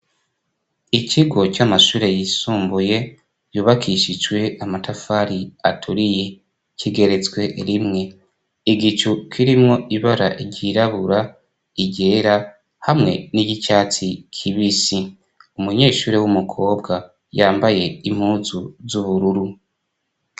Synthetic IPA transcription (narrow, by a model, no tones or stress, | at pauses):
iciɡo̞camaʃuːɾe̞jisuːmbuje̞ | juːβakʰiʃid͡ʒɡwe̞amatafaːɾiatʰuɾije | ciɡe̞ɾe̞t͡sɡwe̞ʔɾimŋe̞ | iɡit͡ʃukʰiɾimŋo̞ʔiβaɾa̰ʔiɾɟiɾaβuɾa | iɟe̞ːɾa | hamŋe̞̰niɟicaːt͡sikʰiβisi | umuɲe̞ːʃuːɾe̞wumukʰo̞ːbɡa | jaːmbaje̞im̥huːzuzuβuɾuɾu